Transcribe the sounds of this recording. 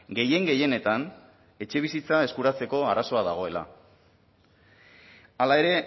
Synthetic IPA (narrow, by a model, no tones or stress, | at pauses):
ɡe̞je̞ŋɡe̞je̞ne̞t̪an | e̞t͡ʃe̞β̞isit͡sae̞skuɾat͡se̞ko̞araso̞aðaɣ̞o̞e̞la̰ | alae̞ɾe̞